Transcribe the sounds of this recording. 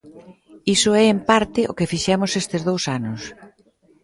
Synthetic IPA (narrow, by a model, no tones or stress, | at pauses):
isʊɛempaɾt̪ɪʔo̰kɪfiʃɛmʊsest̪ɪzðowsanʊs